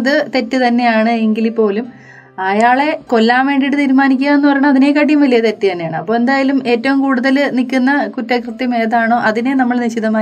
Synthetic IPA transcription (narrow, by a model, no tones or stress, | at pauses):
ɐðɨt̪e̞tːɨt̪ɐnːe̞jaːɳɨeŋɡilipːo̞ːlum | ɐjaːɭe̞ko̞lːaːmʋe̞ːɳɖiɽɨt̪iːɾumaːnikʲːuɣaenːupɐrɐjɳɐɐðine̞kːaʈːijumʋɐlijɐt̪etːɨjɐɳːejaːɳɨɐpːo̞ːe̞nd̪aːjɐlume̞ːtːɐʋumkuːɽuðɐlnikʲːunːɐkutːɐkrɨt̪ːjɐme̞ːðaːɳo̞ːʔɐðinenɐmːɐɭniɕiðɐmaː